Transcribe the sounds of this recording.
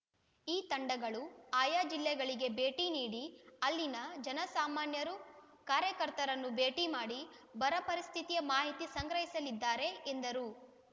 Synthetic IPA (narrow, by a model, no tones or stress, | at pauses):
iːt̪ɐɳɖɐɡɐɭuaːjaːd͡ʒilːɛɡɐɭiɡe̞be̞ːʈiniːɽiɐlːinɐd͡ʒɐnɐsaːmaːnjɐɾu | kaːɾjɐkɐɾt̪ɐɾɐnːube̞ːʈimaːɽi | bɐɾɐpɐɾist̪ʰit̪ijɐmaːɦit̪isɐŋɡɾɐɦisɐlid̪ːaːɾe̞end̪ɐɾu